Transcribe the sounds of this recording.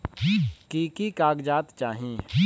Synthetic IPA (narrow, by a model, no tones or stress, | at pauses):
kikikaːɡd͡ʒaːt̪t͡ʃaːɦĩ